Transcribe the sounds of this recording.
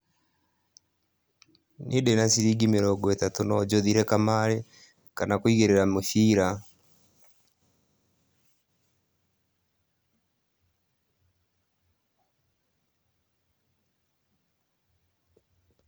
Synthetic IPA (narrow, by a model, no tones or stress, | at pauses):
nʔedenasiɾiɡimeɾɔɡɔetatonɔd͡ʒoðiɾɛkamaɾe | kanakwiɣeɾeɾamofiɾa